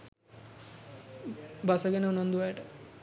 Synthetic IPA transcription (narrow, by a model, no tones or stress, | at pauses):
basəɡɛnəunand̪uʋajəʈə